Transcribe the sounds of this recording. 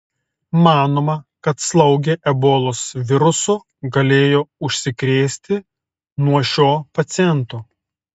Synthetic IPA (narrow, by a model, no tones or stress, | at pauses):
mɑːnoːmɐkɐt̪slˠɐʊɡʲeʔɛboːlˠosʋʲɪɾʊsʊ | ɡɐlʲeːjoːʊʃʲsʲɪkɾʲeːsʲt̪ʲɪ | nuɔʃʲoːpɐt̪sʲɪjɛnt̪oː